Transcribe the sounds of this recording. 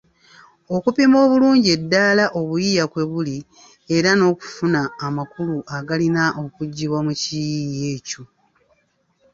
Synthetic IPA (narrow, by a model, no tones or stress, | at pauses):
o̞kupimo̞ːβuluːɲɟie̞dːaːlaʔo̞βujijakwe̞βuli | e̞ɾano̞ːku̥funaːmakuluʔaɡalinaʔo̞kuɟːiβwamucijije̞ːco̞